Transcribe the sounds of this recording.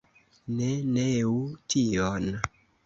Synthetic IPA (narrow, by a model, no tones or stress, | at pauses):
neneutʰion